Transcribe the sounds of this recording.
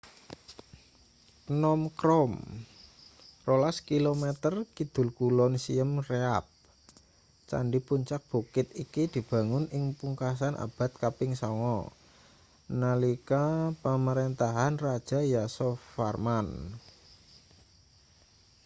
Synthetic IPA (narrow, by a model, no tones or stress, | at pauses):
nɔmkɾɔm | rolaskilomɛt̪ərkid̪̥ʊ̤lkulɔnsiəmreap̚ | t͡ʃa̰ɳɖipuɲt͡ʃak̚b̥ukɪt̪̚ikid̪̥i̤b̥a̤ŋʊnɪŋpuŋkas̬anʔa̰b̥a̤t̪̚kapɪŋsɔŋɔ̰ | nalikapəməɾent̪aɦanrad̥ʒ̥a̤jasɔfarman